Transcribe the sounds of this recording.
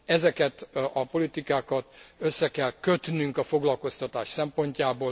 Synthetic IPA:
ɛzɛkɛt̪ɒpo̞lit̪ikaːkɒt̪øsːɛkɛlkøt̪nyŋkɒfo̞ɡlɒlko̞st̪ɒt̪aːʃsɛmpo̞ɲcaːboː

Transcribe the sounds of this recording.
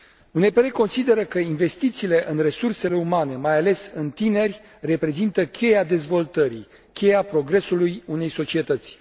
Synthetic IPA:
une̞peɾeko̞nsid̪e̞ɾəkəinve̞st̪it̪siːle̞ʔɨnre̞surse̞le̞umane̞majale̞sɨnt̪ine̞rʲ | re̞pɾe̞zint̪əkʲʰe̞jad̪e̞zvo̞lt̪əɾḭ | kʲʰe̞japɾo̞ɡɾe̞sulujune̞jso̞t͡ʃie̞t̪ət̪sʲ

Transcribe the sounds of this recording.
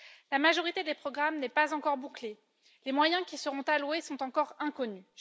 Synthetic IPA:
lamaʒɔʁit̪ed̪epχɔɡʁamnɛpazɑ̃kɔʁbukle | lemwajɛ̃kʲisəʁɔ̃t̪alwesɔ̃t̪ɑ̃kɔʁɛ̃kɔny

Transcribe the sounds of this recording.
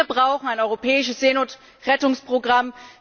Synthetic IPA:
ɐbʁaʊxn̩aɪnɔʏʁopʰɛːɪʃəsz̥eːnot | ʁɛtʊŋspʁ̥oɡʁam

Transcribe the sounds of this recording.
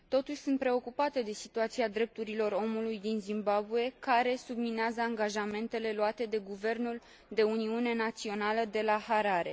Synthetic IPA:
t̪o̞t̪uʃʲsunt̪̚pɾe̞o̞kupat̪e̞d̪e̞sit̪uat̪siad̪ɾe̞p̚t̪uɾilo̞ro̞mulujd̪inzimbabuje̞kaɾe̞sublineazəaŋɡaʒame̞nt̪e̞le̞luat̪e̞d̪e̞ɡuve̞rnul | d̪e̞uniune̞nat̪sio̞naləd̪e̞lahaɾaɾe̞

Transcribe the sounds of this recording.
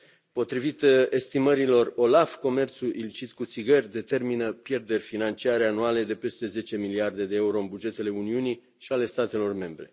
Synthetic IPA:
po̞t̪ɾivit̪e̞st̪iməɾilo̞ro̞lafko̞me̞rt̪suʔilit͡ʃit̪kut̪siɡərʲd̪e̞t̪e̞rminəpje̞rd̪e̞rʲfinant͡ʃiaɾeanuale̞d̪e̞pe̞st̪e̞ze̞t͡ʃe̞miliard̪e̞d̪e̞euɾo̞ɨnbud͡ʒe̞t̪e̞le̞uniuni | ʃiale̞st̪at̪e̞lo̞rme̞mbɾe̞

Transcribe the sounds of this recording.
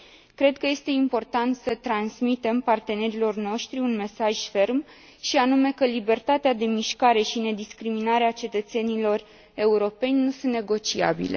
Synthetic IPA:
kɾe̞d̪kəje̞st̪e̞impo̞rt̪ant̪sət̪ɾansmit̪e̞mpart̪e̞ne̞ɾilo̞rno̞ʃt̪ɾiunme̞saʒfe̞rm | ʃianume̞kəlibe̞rt̪at̪ead̪e̞miʃkaɾe̞ʃine̞d̪iskɾiminaɾeat͡ʃe̞t̪ət̪se̞nilo̞r | e̞uɾo̞pe̞nʲnusɨnt̪ne̞ɡo̞t͡ʃia̰bḭle̞̰

